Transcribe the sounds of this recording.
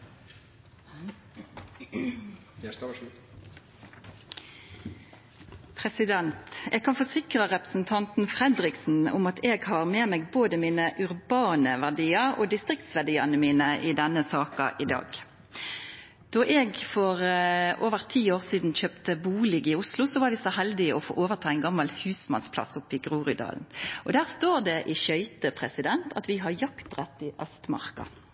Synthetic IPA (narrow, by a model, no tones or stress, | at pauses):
pʰʁɛsɪd̪ɛnt̪ɛ̰ːɡ̚kʰɑnfɔsɪkʁəʁɛpʁəsn̩t̪ʰɑnt̪n̩fʁɛd̪ʁɪksn̩ʊ̰mɑt̪ʰeːɡhɑʁmeːmeːɡ̚boːd̪əmiːnəʔʉʁbɑːnəʋæʁɖiːɑʁo̰ːd̪ɪst̪ʁɪk̚t̪sʋæɖiːɑnəmiːnəʔɪd̪ɛnːəsɑːkɑ̰ʔɪd̪ɑ̰ːɡ | d̪̥ɔʔɛɡfɔʁʔoːʋəʁt̪ʰiːoːʁsiːd̪n̩çøːpt̪əbuːlɪɡɪʊslʊsɔʋɑːɾʋɪsɔhɛld̪ɪɔfo̰ːʔoːʋəʁt̪ʰɑːɛnɡɑmːɑlhʉːsmɑ̰nspʰlɑ̰sʊpːɪɡʁuːʁʏd̪ɑ̰ːln̩ʔɔd̪æːʁst̪oːʁd̪ɛʔɪʃœʏt̪əpʰʁɛsɪd̪ɛnt̪ʰɑt̪ʋɪɦɑʁjɑkt̪ʁɛt̪ːɪʔœst̪mɑ̰ʁkɑ̰